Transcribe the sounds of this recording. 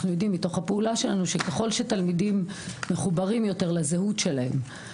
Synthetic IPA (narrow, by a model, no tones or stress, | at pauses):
χnujo̞d̪imːito̞χhapeulaʃe̞lanuʃekeχo̞lʃetalmidimːeχubaʁimjo̞te̞ʁlazeɦutʃe̞lahḛm